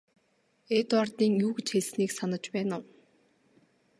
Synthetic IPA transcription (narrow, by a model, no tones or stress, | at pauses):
eːt̪wart̪iːŋjuːɡet͡ɕxeɮsniːksanə̆t͡ɕpæːnʊw